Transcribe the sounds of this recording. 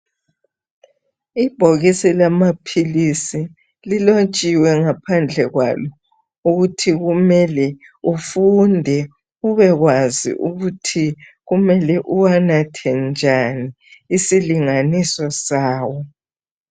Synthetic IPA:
ib̥ʱoɣisilamapʰilisi | lilot͡ʃʼiwɛŋapʰand͡ɮʱɛɣwa̰lɔ | uɣutʰiɣumɛlɛ | ufundʱɛ | uβɛɣwazḭʔuɣutʰi | ɣumɛlɛʔuwanatʰɛnd͡ʒʱaniː | siliŋanisɔsaːwɔ

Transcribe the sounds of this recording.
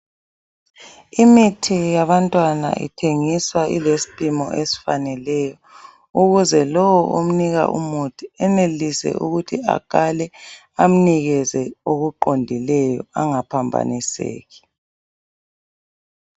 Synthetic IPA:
imitʰijaβantʼwana̰ʔḭtʰeŋiswaʔḭlesi̥pʼimɔ̰ʔesi̥fanɛlɛjɔ | uɣuzɛlɔwɔʔom̩niɣa̰ʔṵmutʰiɛnelisɛ̰ʔuɣutʰia̰kʼalɛ | am̩niɣɛzɛoɣuǃondʱilɛjɔaŋapʰambʱa̰nisḛːɣi̥

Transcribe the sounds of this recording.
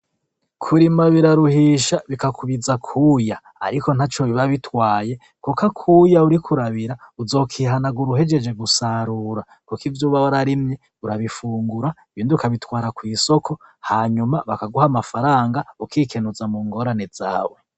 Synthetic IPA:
kʰuɾimaβiɾaɾuhiːʃaβikakʰuβizakʰuja̰ː | ɾiko̞n̥hat͡ʃoβiβaβitʰwaːje̞ | kukakʰuːjauɾikʰuɾaβiɾauzo̞ːkʰiːɦanaɡuɾuɦe̞d͡ʒe̞d͡ʒe̞ɡusaɾuːɾa | kukivjuːβaβaɾaɾimɲe | uɾaβifuːŋɡuɾaiβiːndiukʰaβitwaːɾakwiːso̞kʰo̞haːɲumaβakaɡuhamafaɾaːŋɡaukʰiːkʰe̞nuzamuːŋɡo̞ɾane̞za̰ːwe̞

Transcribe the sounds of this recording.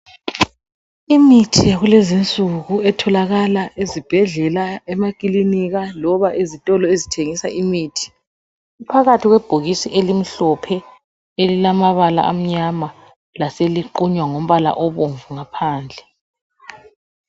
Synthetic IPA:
imitʰijaɣulezint͡sʼuɣuɛtʰɔlaɣalaʔezib̥ʱɛɮɛlaɛmakʼiliniɣalɔβaʔezitʼɔlɔezitʰeŋisaʔimiːtʰi̥ | upʰaɣatʰiɣwɛb̥ʱoɣisiʔelim̩ɬɔpʰɛ | elilamaβala̰ʔam̩ɲama | laseliǃuɲwaŋom̩βala̰ʔɔβoɱvuŋapʰaːnd͡ɮʱɛ

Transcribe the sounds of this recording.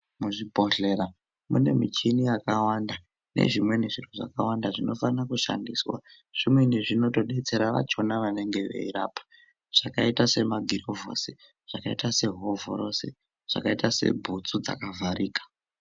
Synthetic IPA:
muʐibʱo̞ɬe̞ɾa | mune̞mit͡ʃinijakawanda | nḛʐimwe̞neʐiruʐa̰kawandaʐino̞fanakuʃa̰ndiswa̰ | ʐ̥imwe̞neʐino̞to̞ɗe̞t͡se̞ɾaʋa̰t͡ʃonaʋane̞ŋɡe̞ʋḛiɾaːpḁ | ʐ̥akaitase̞maɡʱiɾovo̰se | ʐ̥akaitase̞ɦovo̰ɾo̞se̞̰ | ʐ̥a̰kaitase̞̰bʱut͡sud͡za̰kavʱaɾiːkḁ

